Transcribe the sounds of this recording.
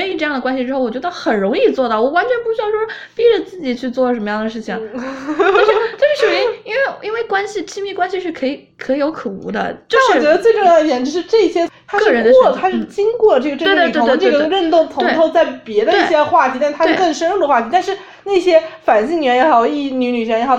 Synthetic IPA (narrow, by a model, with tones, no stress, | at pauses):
i˥˧ʈ͡ʂɤ˥˧jɑ˥˩ŋd̪ə˩kwa˥nɕi˧ʈ͡ʂɻ̩˥xo˥˩ʊwɔ˨˩t͡ɕɥɛ˧˥d̪ə˧xə˨˩nɻʊ˧˥ŋi˥˧t͡swɔ˥˧t̪ɑ˥˩ʊwɔ˨˩wa˧˥nt͡ɕʰɥɛ˧˥npu˥˩ɕy˥jɑ˥˩ʂwɔ˥ | pi˥ʈ͡ʂə˨˩t͡sɹ̩˥˩t͡ɕi˨˩t͡ɕʰy˥˧t͡swɔ˥˩ʂə˧˥nmə˧jɑ˥˩ŋd̪ə˩ʂ̬ɻ̩˥˩t͡ɕʰi˩ŋ˥ | ʂɻ̩˥˧˩t͡ɕʊʂɻ̩˥˩ə˥˩mi˥i˥nwe˥˩ɪʔi˥nwe˥˩ɪkwa˥nɕi˨t͡ɕʰi˥mi˥˩kwa˥nɕi˧ʂɻ̩˥˩kʰɤ˧˥i˨˩kʰɤ˧˥i˧jo˧˥ʊkʰɤ˨˩ṵ˧˥d̪ə̰˧t͡ɕo˥˧˥ɔ˨˥˩t͡ɕɥɛ˧˥ə˧t͡swe˥˧ɪʈ͡ʂʊ˥˧ŋjɑ˥˩d̪ʰɛ˧˥nʈ͡ʂɻ̩˧˥ʂɻ̩˥˧ʈ͡ʂɤ˥˩i˥˧˩ɕjɛ˥t̪ʰa˥˩ə˧˥nwɔ˥˩t̪ʰa˥ʂɻ̩˥˩t͡ɕi˥ŋkwɔ˥˩ʈ͡ʂɤ˥˩ɡə˩ʈ͡ʂy˩t̪ʰŋd̪ə˧ʈ͡ʂɤ˥˩ɡə˩˧ɻə˥˧nt̪ʊ˥˩ŋt̪ʰʊ˧we˥˩˥t̪ʰo˥˧ʊt͡sa˥˩ɪpjɛ˧˥d̪ə˧i˥˧˥ɕjɛ˥xwa˥˩t̪ʰi˧˥t̪a˥˧˥t̪ʰa˥ɻkə˥˩ŋʂə˥nɻu˥˩d̪ə˩xwa˥˩t̪ʰi˧˥t̪a˥˧nʂɻ̩˥˧ | na˥˩ɕjɛ˥fa˨˩nɕi˥˩ŋɥɛ˧˥njɛ˧˥xi˥˩˥ny˧˥ny˨˩ɛ˧˥jɛ˧˥xo˨˩